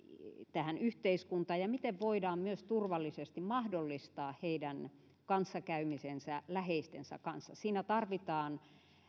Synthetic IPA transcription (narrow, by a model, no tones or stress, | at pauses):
t̪æhænyht̪eiskunt̪ɑːjɑmit̪eʋʋoidɑːmmyøst̪urʋɑlːisest̪immɑhdolːist̪ɑːhheidæn | kɑnsːɑkæymisensælæheist̪ḛnsæ̰kɑnsːɑ̰siːnæt̪ɑrʋit̪ɑːn